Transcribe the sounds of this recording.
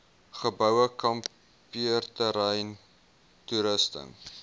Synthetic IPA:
χəbœwəkɐm | piərtəɾɛjn | tuɾəstə̰ŋ

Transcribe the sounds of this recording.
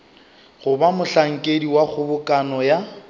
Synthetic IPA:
ɣʊbamʊɬaŋ̩kʼediwak͡xʰʊbʊkʼanɔja

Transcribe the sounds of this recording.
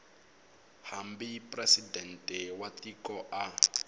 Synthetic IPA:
hambipʼrɛsidɛntʼɛwatikɔʔa

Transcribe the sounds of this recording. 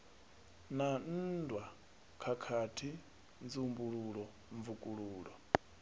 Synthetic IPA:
nan̩dwa | kʰakʰatʰi | nd͡zumbuɺuɺɔ | ɱvukʼuɺuːɺɔ

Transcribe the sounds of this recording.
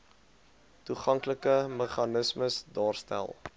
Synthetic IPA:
tuχɐŋkləkəməχɑnəsməsdɑːrstæ̰lˠ

